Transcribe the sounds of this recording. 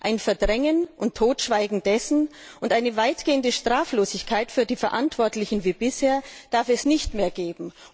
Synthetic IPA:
ʔaɪnfɛɐdʁɛŋənʔʊntʰːoːtʃv̥aɪɡŋ̩d̥ɛsn̩ | ʔʊntʔaɪnəvaɪtɡ̥eːəndəʃtʁ̥aːfloːzɪçkʰaɪtfyːɐdiːfɛɐʔantv̥ɔɐtlɪçn̩viːbɪsheːɐd̥aɐfɛsnɪçtmeːɐɡeːbm̩

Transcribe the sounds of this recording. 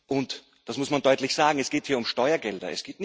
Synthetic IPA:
ʔʊnt | d̥asmʊsmandɔʏtlɪçz̥aːɡŋ̩ɛsɡ̥eːthiːɐʊmʃtɔʏɐɡɛldɐ̰ɛ̰sɡ̥eːtn

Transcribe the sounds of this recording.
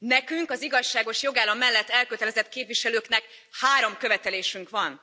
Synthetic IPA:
nɛkyŋkɒziɡɒʃːaːɡo̞ʃjoɡaːlɒmːɛlːɛt̪ːɛlkøt̪ɛlɛzɛt̪keːpviʃɛløːknɛk | haːɾo̞mkø̞vɛt̪ɛleːʃyŋkʋɒn

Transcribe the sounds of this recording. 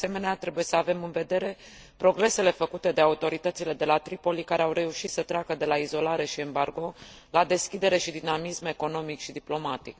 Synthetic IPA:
se̞me̞neat̪ɾe̞buje̞səave̞mɨnve̞d̪e̞ɾe̞ | pɾo̞ɡɾe̞se̞le̞fəkut̪e̞d̪eaut̪o̞ɾit̪ət̪sile̞d̪e̞lat̪ɾipo̞likaɾeawre̞uʃit̪sət̪ɾeakəd̪e̞laizo̞laɾe̞ʃie̞mbarɡo̞lad̪e̞skʲid̪e̞ɾe̞ʃid̪inamisme̞ko̞no̞mikʃid̪iplo̞mat̪ik

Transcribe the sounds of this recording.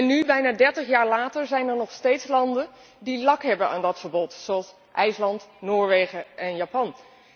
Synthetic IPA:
ɛnːybɛjnaːdɛɹtəχjaːɹlaːtəɹzɛjnɛɹnɔχstejtslɑndən | dilɑkɦɛbəna̰ːndɑtfəɹbɔtsoɑlˠs | ʔɛjslɑntnoːɹʋejχəʔɛnjaːpɑn

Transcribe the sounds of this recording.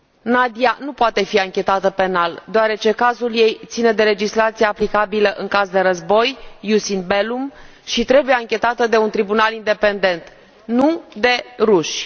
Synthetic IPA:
nad̪ianupoat̪e̞fiaŋkʲe̞t̪at̪əpe̞nald̪oaɾe̞t͡ʃe̞kazulje̞jt̪sine̞d̪e̞le̞d͡ʒislat̪sijeːplikabiləʔɨŋkazd̪e̞ɾəzbo̞jːusinbelum | ʃit̪ɾe̞buje̞aŋkʲe̞t̪at̪əd̪e̞unt̪ɾibunalind̪e̞pe̞nd̪e̞nt̪ | nud̪e̞ruʃʲ

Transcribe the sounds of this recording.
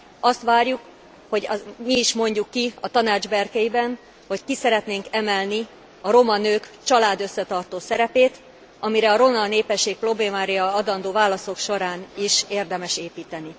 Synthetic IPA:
ɒst̪ʋaːrjuk | ho̞ɟɒmiːʃmo̞ɲɟukːiɒt̪ɒnaːd͡ʒbɛrkɛjibɛn | ho̞ckisɛɾɛt̪neːŋkɛmɛlni | ɒɾo̞mɒnøːkt͡ʃɒlaːd̪ø̞sːɛt̪ɒrt̪oːsɛɾɛpeːt̪ | ɒmiɾɛɒɾo̞nɒlneːpɛʃːeːk̚pro̞bleːmaːɾiɒɒd̪ɒnd̪oːvaːlɒso̞kʃo̞ɾaːniʃeːrd̪ɛmɛʃeːpiːt̪ɛni

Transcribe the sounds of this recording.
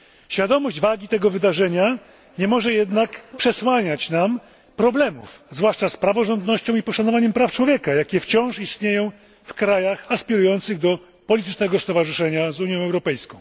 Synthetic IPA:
ɕfʲjad̪ɔmɔʑd͡ʑvaɡʲit̪ɛɡɔvɘd̪aʐɛɲa | ɲɛmɔʐɛjɛd̪nakpʂɛswaɲat͡ɕnam | pɾɔblɛmṵfzvwaʂt͡ʂaspɾavɔʐɔnd̪nɔɕt͡ɕɔ̃w̃ipɔʂanɔvaɲɛmpɾaft͡ʂwɔvʲjɛkajakʲɛft͡ɕɔ̃w̃ʂist̪ɲejɔ̃w̃ | fkɾajaxaspʲiɾujɔnt̪sɘɣd̪ɔ | pɔlʲit̪ɘt͡ʂnɛɡɔst̪ɔvaʐɘʂɛɲazuɲjɔ̃w̃ɛwɾɔpɛjskɔ̃w̃

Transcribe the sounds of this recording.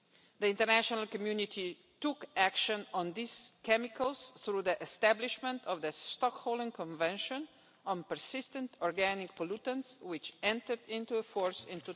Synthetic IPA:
d̪əɪ̃ntəɾnæʃɔnəlˠkɔmjunɪtʰi | tʊkækʃə̃nɔ̃nd̪ɪskɛmɪkʰəlˠsθɾuðəʔɛst̪æblɪʃmə̃ntɔvðəstɔkhoʊlˠə̃ŋkɔ̃ɱvɛ̃nʃə̃n | ɔ̃npəɹsɪstə̃ntɔɹɡænɪk̚pɔlutə̃nswɪt͡ʃɛ̃nt̪əɹd̪ɪ̃ntuəfɔɹsɪ̃nt̪u

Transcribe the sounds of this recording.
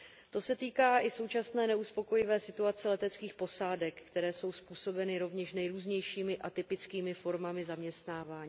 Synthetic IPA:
t̪o̞sɛt̪iːkaːʔɪso̞wt͡ʃasnɛːnɛuspo̞ko̞jɪvɛːsɪt̪uat͡sɛlɛt̪ɛt͡skiːxpo̞saːdɛkːt̪ɛɾɛːso̞wspuːso̞bɛnɪɾo̞vɲɛʃnɛjɾuːzɲɛjʃiːmɪʔat̪ɪpɪt͡skiːmɪfo̞ɾmamɪzamɲɛst̪naːvaːɲiː

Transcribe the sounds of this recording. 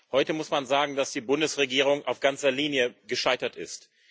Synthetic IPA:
hɔʏtəmʊsmanzaːɡŋ̩d̥asd̥iːbʊndəsʁeɡiːʁ̞ʊŋʔa̰ʊfɡ̥ant͡sɐliːnjəɡəʃaɪtɐtɪst

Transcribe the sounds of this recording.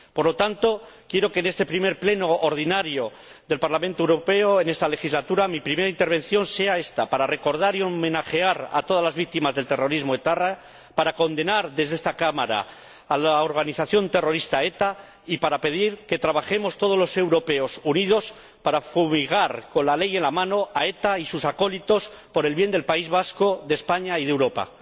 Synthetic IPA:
poɾlo̞t̪ant̪o̞kje̞ɾo̞ke̞ne̞st̪e̞pɾimeɾple̞no̞ːɾðinaɾjo̞ | ðe̞lpaɾlamẽnt̪owɾo̞pe̞oe̞ne̞st̪ale̞xizlat̪uɾamipɾime̞ɾaint̪eβ̞e̞n̟θjo̞nse̞ae̞st̪apaɾare̞ko̞ɾð̞aɾiomẽ̞naχe̞aɾa̰t̪o̞ð̞azlazβik̚t̪imazðe̞lt̪ero̞ɾizmoet̪ara | paɾako̞nd̪e̞naɾðe̞zðe̞st̪akamaɾa̰ː | laoɾɣaniθaθjo̞nt̪e̞ro̞ɾist̪ae̞t̪a | ipaɾape̞ð̞iɾke̞t̪ɾaβ̞axe̞mo̞st̪o̞ð̞o̞zlo̞se̞wɾo̞pe̞o̞sunið̞o̞s | paɾafumiɣaɾko̞nlale̞je̞nlamãno̞ae̞t̪aisusako̞lit̪o̞s | po̞ɾe̞lβje̞nd̪e̞lpaizβasko̞ðe̞spaɲaiðe̞wɾo̞pa̰

